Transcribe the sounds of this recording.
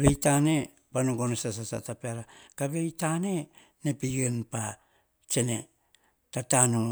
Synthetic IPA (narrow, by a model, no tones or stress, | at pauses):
ɾejtane̞ | banoɡonesas̬asa̰tapeaɾakaβejtane̞ | nepijenpa | t͡ʃe̞ne̞ | tatano